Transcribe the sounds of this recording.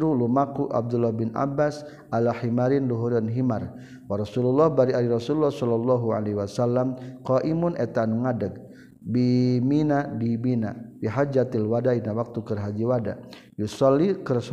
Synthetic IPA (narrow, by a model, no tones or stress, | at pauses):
ɾulumakuʔa̰b̚d̪ulːɔhbɪnʔa̰bas | ʔalahimaɾinluɦuɾanɦimar | waɾɔsululːɔhbaɾiaɾiɾɔsululːɔhsɔlɔlːɔɦua̰lewasalːamqɔʔimʊnʔɛt̪anuŋadəɡ̚ | biminadimina̰biɦad͡ʒat̪ilwadainawak̚t̪ukərɦad͡ʒiwada̰ | jusɔlːikərs